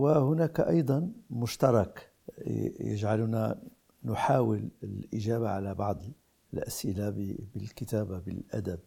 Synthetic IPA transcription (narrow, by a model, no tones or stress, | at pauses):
wɪhʊnaːkʔɑjd̪ˤɑnmʊʃt̪ɑɾˤɑk | jɪ̰ʒʕalna | nʊħaːwɪlɪlʔɪʒaːbaʕalabɑʕd̪ˤ | ɪlʔasʔɪlabɪlkɪt̪aːbabɪlʔa̰d̪ab̚